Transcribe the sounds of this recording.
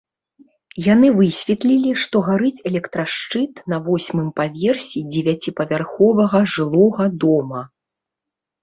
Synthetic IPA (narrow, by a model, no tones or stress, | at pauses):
janɨvɨsʲvʲɛt̪lʲilʲiʂt̪ɔɣaɾɨt͡sʲɛlʲɛkt̪ɾaʂt͡ʂɨt̪nɐvɔsʲmɨmpavʲɛrsʲid͡zʲɛvʲat͡sʲipɐvʲarxɔvɐɣɐʐɨlˠɔɣɐd̪ɔmɐ